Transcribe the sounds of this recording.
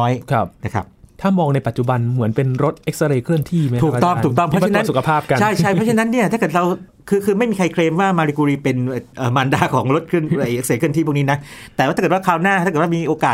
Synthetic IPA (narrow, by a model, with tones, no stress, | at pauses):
ɔː˦˥jkʰa˦˥p̚na˦˥˩kʰa̰˦˥pt̪ʰaː˥˩mɔː˧ŋna˧jpa˨˩t̪̚t͡ɕu˨˩ba˧nmɯ˩˦ənpe˧nɾo˦˥t̪̚ʔe˦˥k̚sa˧ɾeː˧kʰɯ˥˩ənt̪ʰiː˥˩ma˦uː˨˧kt̪ɔ˥˩mt̪ʰuː˨˩k̪̚t̪ɔ˥˩pʰɾt͡ɕa˧tna˧˥nsu˨˩kʰa˧pʰaː˥˩ka˧nʰa˥˩jt͡ɕʰa˥˩pʰɾɔ˥t͡ɕʰa˧na˦˥nːi˥˩t̪ʰaː˥˩kɤː˨˩t̪̚ɾa˧w | kʰɯː˧kʰɯː˧ma˥˩jmiː˧kʰa˧jkʰɾeː˧mwaː˥˩maː˧ɾi˧kuː˧ɾiː˧pe˧n˨˧˩ʔɤː˨˩maː˧ndaː˧˩kʰɔː˩˦ŋɾo˦˥t̪̚kʰɯ˥˩əna˧˩jʔe˦˥kseː˨˩t̚ʰɯ˥˩ət̪ʰi˥˩pʰːniː˦˥na˦˥t̪ɛː˨˩waː˥˩aː˥˧˨waː˥˩kʰaː˧˥˩wnaː˥˩aː˥˩˨wa˥˩miː˧ʔoː˧kaː˨˩t